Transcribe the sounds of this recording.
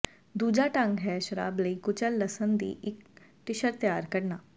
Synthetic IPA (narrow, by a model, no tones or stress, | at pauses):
d̪uːd͡ʒaːʈə̃ŋɡɦɛːʃəɾa̰ːbləiːkʊt͡ʃəlːəsənd̪ḭːʔɪk | ʈɪʃəɾt̪jaːɾkəɾnaː